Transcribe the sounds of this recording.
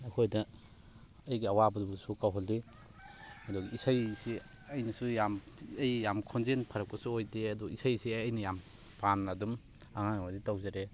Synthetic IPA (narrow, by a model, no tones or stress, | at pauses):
ɐkʰojdɐː | jɡiawabɐdubusukawɦɔli | mɐdɔkisajsi | ɐjnɐsujam | ɐjjamkʰɔnzenpʰɐɾɐk̚kɔsuojdeɐdɔisajsiaɐjnɐjam | panadum | aŋaŋawaditawzaɾe